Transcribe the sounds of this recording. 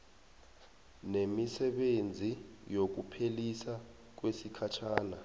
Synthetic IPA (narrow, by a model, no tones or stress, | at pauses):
nemisɛɓend͡zʱijok̬upʰelisa | k̬wesikʰat͡ʃʰaːna